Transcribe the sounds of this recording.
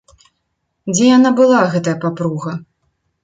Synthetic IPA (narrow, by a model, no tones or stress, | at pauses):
d͡zʲɛjanabɨlˠaɣɛt̪ɐjɐpapɾuɣɐ